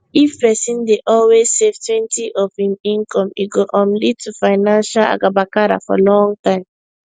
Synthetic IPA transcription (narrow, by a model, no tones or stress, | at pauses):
ifpɛsĩndeʔɔlwez̥sevtwɛ̃ntʰiʔɔvhĩmĩŋkɔ̃miɡoʔɔ̃mlid̚tufaɪnãnʃala̰ɡabakaɾa̰fɔ̰lɔ̃ŋɡtãɪ̃m